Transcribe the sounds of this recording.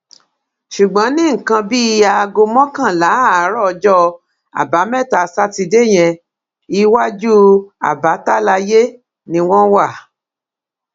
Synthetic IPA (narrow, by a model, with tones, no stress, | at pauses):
ʃu˨ɡ͡bɔ̃˨˦nĩ˦ŋ̩˨kã˧bi˦˧a˧ɡo˧mɔ̃˦kã˦˨la˨˦˨ɾɔ˦˧d͡ʒɔ˦ | a̰˨ba˨˦mɛ̃˦˨ta˨sa˦ti˧de˦˨j̃ɛ̃˧ | i˧˦wa˦d͡ʒu˦a̰˨ba˨˦ta˦la˧je˦ | nĩ˧w̃ɔ̃˦wa˦˨